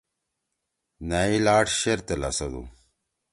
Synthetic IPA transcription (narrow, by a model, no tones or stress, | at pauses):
nailaːʈɕeɾt̪elɐ̰sɐd̪ṵ